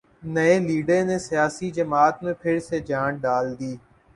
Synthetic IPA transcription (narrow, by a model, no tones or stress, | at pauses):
nəeːliːɖeːneːsijaːsid͡ʒəmaːt̪mẽpʰɪɾseːd͡ʒãːɖaːld̪iː